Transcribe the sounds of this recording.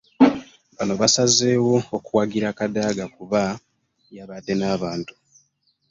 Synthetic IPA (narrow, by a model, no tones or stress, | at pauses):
βano̞βasazeːwo̞okuwaɡiɾakadaːɡakuβa | jaβade̞naːβaːntu̥